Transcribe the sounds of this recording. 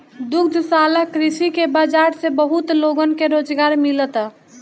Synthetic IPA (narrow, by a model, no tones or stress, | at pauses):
d̪ukd̪ʱsaləkɾisikebad͡ʒaɾsebəɦut̪loɡənkeɾod͡ʒɡaɾmilət̪ː